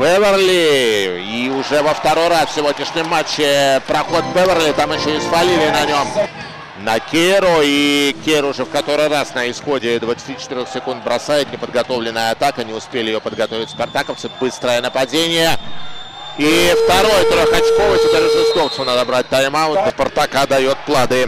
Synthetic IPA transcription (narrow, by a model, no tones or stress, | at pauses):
vɛvʲərlʲɪ | iʊʐɛvəft̪ɐɾo̞jɾasfʲsʲɪvʲo̞dʲnʲɪʂnʲɪjmat͡ɕːɪpɾɐxot̪vɨvʲərlʲɪt̪amɪɕːoɪsvɐlʲilʲɪnɐnʲo̞m | nɐkʲeɾʊikʲeɪɾʊʊʐɛfkɐt̪o̞ɾɨjrasnəɪsxo̞dʲɪd̪vət̪sɨ̥tʲit͡ɕɪ̥t̪ɨɾʲoxsʲɪkund̪̚bɾɐsajɪt̪nʲɪpəd̪ɡɐt̪o̞vlʲɪnːəjəɐt̪akɐnʲɪʊspʲelʲɪjopəd̪ɡɐt̪o̞vʲɪtʲspɐrt̪akəft̪sɨbɨst̪ɾəjənəpɐdʲenʲɪjə | ift̪ɐɾo̞jt̪oɾəxɐt͡ɕko̞vət̪ʲɪpʲeɾʲɪʐɨsk̪oft̪sənad̪əbɾat̪̚ʲt̪ajɪmaʊt̪t̪əpərt̪ɐkad̪ɐjo̞t̪̚plˠad̪ɨ